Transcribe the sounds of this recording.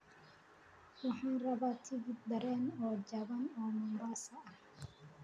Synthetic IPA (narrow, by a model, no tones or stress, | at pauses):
wɑħɑːnrɐβat̪ʰɪɣɪd̪̚d̪ɐɾɛːnɔːd͡ʒɐβɐnɔːmʊmbaːsɐɐh